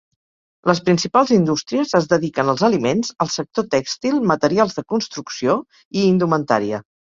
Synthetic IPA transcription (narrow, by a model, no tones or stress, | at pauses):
ləspɾinsipalˠzind̪ust̪ɾiəzəzðəðikənəlˠzəlimenzəlˠsək̚t̪ot̪ɛkst̪ilˠmət̪əɾialˠzðəkunst̪ɾuksio | iːnd̪umənt̪a̰ɾiə